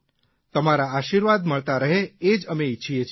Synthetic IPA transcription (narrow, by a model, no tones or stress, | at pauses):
t̪əmaɾaːʃiɾʋad̪məɭt̪aɾəɦeed͡ʒəmeit͡ʃʰijet͡ʃʰ